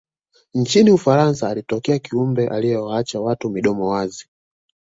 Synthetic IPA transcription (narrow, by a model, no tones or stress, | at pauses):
n̩t͡ʃiniufaɾansaːlitɔkɛakiumbɛʔalijɛwaat͡ʃawatumiɗɔmɔwazi